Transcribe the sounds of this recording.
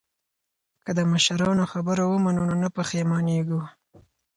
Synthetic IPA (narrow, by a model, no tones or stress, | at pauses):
kəd̪əmaʃaɾɑnoxabəɾawəmanunonapəxemɑneɡu